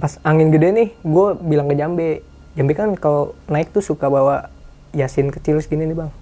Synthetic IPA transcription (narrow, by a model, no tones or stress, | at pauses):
pasaŋɪnɡədɛnɪhɡuabilaŋkəd͡ʒambɛ | d͡ʒambɛkankalonaɪk̚t̪usukabawa | jasɪnkət͡ʃilsɡininibaŋ